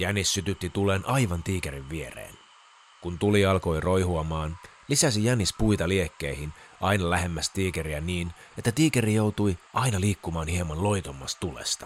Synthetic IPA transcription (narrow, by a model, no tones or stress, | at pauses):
jænisːyt̪yt̪ːit̪uleːnʔɑjʋɑnt̪iːkeɾiʋːieɾḛːn | kunt̪uliɑlko̞jro̞jɦuɑmɑːn | lisæsijænispujt̪ɑlie̞kːe̞ihinɑjnɑlæɦe̞mːæst̪iːkeɾiæniːn | e̞t̪ːæt̪iːkeɾijo̞wt̪uiʔɑinɑliːkːumɑːnhiemɑnlo̞jt̪o̞mːɑst̪t̪ulḛst̪ɑ̥